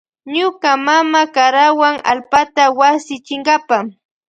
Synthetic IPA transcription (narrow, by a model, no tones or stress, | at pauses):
ɲʊkamamakaɾawaŋa̰lpat̪awasɪt͡ʃɪŋɡapa